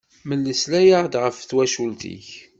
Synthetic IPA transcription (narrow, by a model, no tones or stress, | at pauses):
məlːəslæjaʁd̪ʁəfθwæʃult̪ḭç